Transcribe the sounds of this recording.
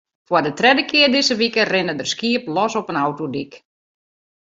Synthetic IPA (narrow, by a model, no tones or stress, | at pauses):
fwərdətrɛdəkɪərdɪzəʋikərɪnədərskiəplɔsɔpənawtodik